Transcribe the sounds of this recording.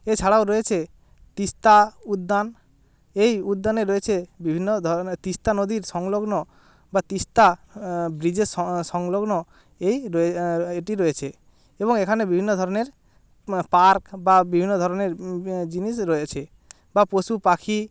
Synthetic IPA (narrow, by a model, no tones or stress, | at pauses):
et͡ɕʰaɽaoɾɔet͡ʃʰe | t̪ist̪aud̪ːan | ejud̪ːaneɾɔet͡ʃʰebibʱinːod̪ʱɔt̪ist̪anod̪iɾsɔŋloɡnɔ | bat̪ist̪abɾid͡ʑessɔŋloɡnɔ | ejɾɔeeʈiɾɔet͡ɕʰe | eboŋekʰanebibʱinːod̪ʱɔɾɔneɾ | paɾkbabibʱinːɔd̪ʱɔɾɔneɾd͡ʑinisɾɔet͡ʃʰe | baposupakʰi